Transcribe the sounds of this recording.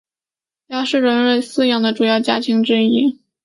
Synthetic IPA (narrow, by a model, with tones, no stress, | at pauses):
ja˥ʂɻ̩˥˩ɻə˧˥nɻe˥˩ɪsɹ̩˥˧jɑ˨˩ŋd̪ə˩ʈ͡ʂu˨˩jɑ˥˩ʊt͡ɕja˥t̪ʰi˧˥ŋʈ͡ʂɻ̩˥˧i˥˩